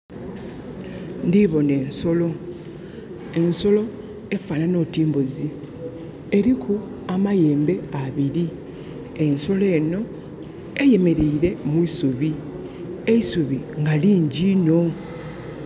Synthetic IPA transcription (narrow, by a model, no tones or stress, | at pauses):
ndiβo̞ne̞ːnso̞lo̞ | e̞nso̞lo̞ | e̞fanano̞tiːmbuzi | eɾikʰu | amaje̞ːmbe̞aβiɾi | e̞nso̞le̞ːno̞ | eje̞me̞ɾeiɾe̞mwiisuβi | e̞isuβiŋɡaliːɲɟino̞